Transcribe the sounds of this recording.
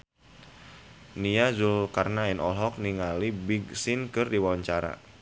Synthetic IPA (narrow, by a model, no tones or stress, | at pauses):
niazulkarnaɛnɔlɦɔk̚niŋalibiɡsɪnkɨrdiwawaɲt͡ʃaɾa̰